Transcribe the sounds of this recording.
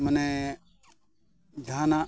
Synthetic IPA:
məne | d͡ʒʱaːna

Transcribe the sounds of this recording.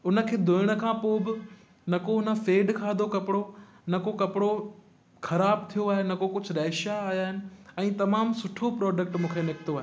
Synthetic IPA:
ʊnə̆kʰeːd̪ʱoɪɽ̃ə̆kʰãːpoːbɪ | nɐkoʊnə̆feːɖkʰaːd̪ʱokɐpɪɽo | nɐkokɐpɪɽo | xʰɐɾaːb̚t̪ʰijoaːɦenɐkokʊd͡ʑʱʊ̆ɾɐːʃaaːjaːɦɪnɪ̆ɛ̃ːt̪ɐmaːmsʊʈʰopɾɔːɖək̚ʈmũːkʰenɪkɪt̪oaːɦe

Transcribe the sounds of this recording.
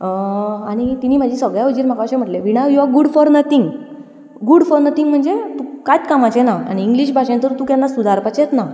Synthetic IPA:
əaɽ̃it̪iniːmad͡ʑʱiːsəɡɭjaəd͡ʑiːɾm̤akaɕẽm̤əʈleʋiɽ̃aʋjuaɡuɽfɔɾnət̪ʰiŋɡ | ɡuɽfɔɾnət̪ʰiŋɡm̤əɳd͡zet̪ukajt̪kamat͡ɕenaa̰ɽ̃iːŋɡliɕ̬bʱaʂẽnt̪əɾt̪ũːkjanːasud̪aɾpat͡ɕet̪na

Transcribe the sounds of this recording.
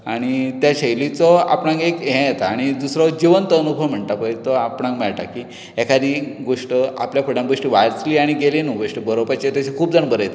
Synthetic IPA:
aɽ̃it̪jaɕəjlit͡sɔa̰pɳãŋkekɦɛ̃jet̪aːɽ̃id̪usɾɔd͡ʑiʋənt̪əːnubʱəʋm̤əɳt̪apəjt̪ɔapɽnãŋkmɛɭʈakiː | ekad̪iːɡoʂʈəa̰pljapʰəɽãŋɡoʂʈiːʋajt͡sliːaɽ̃iɡelinuɡoʂʈibəɾopat͡ɕet̪jat͡ɕʰekʰuːp̚d͡zəɳbəɾəjet̪e

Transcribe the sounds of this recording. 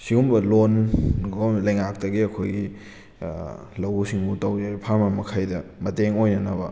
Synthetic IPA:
siumbɐlonɡolɐjŋak̚tɐɡiɐkʰojɡi | lɐwusiŋbutɐwd͡ʒajpʰaɾmamɐkʰajdɐmɐteŋojnɐnɐbɐ̰

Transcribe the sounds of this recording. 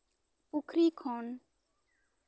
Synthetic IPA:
pʊkʰɾiːkʰoːn

